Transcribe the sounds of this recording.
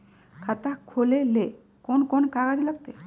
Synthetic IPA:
kʰat̪akʰolele | konkɔnkaɡad͡ʒləɡ̚t̪e

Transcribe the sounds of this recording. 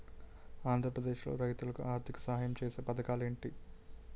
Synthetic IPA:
aːnd̪ʱɾɐpɾɐd̪eːʃlo̞̰ːɾɐjt̪ulɐkuʔaːɾt̪ʰikɐ̥sɐɦaːjɐmt͡ʃeːseːpɐd̪ɐkaːle̞ːɳʈi

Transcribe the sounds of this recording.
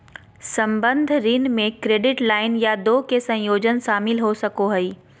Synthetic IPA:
sɐ̃mbə̃nd̪ʱɾinmẽkɾeːɖɪʈlaːɪnjad̪oːkesɐ̃joːd͡ʒənʃaːmɪlɦosɐkoɦɐiː

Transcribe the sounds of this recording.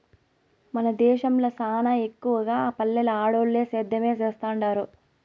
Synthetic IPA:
mɐnɐd̪ɛːʃɐmloːsaːnɐekːuʋɐɡaːaːpɐlːɛlɐaːɽoːlːeːsɛːd̪ʱːɐmeːt͡ʃɛːst̪aːɳɖaːɾu

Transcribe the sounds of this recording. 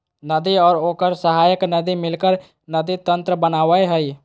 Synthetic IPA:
nəd̪iɔːɾoːkəɾsəɦaːjəknəd̪imɪlkəɾ | nɐd̪it̪ə̃nt̪ɾəbənaːʋəeɦɛi

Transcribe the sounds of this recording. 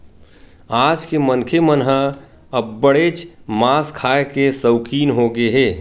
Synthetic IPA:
aːd͡ʒkemənkʰemənɦə | əbbəɽeːt͡ʃmaːskʰaːekesəʊkiːnɦoɡeɦeː

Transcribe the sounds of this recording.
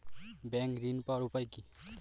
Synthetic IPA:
bɛŋkɾinpʌɾupʌjki

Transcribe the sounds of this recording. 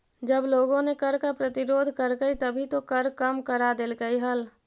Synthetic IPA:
d͡ʒəbloːɡõnekəɾkapɾət̪ɪɾoːd̪ʱkəɾɡəit̪əbʱit̪okəɾkəmkəɾad̪elɡəiɦəl

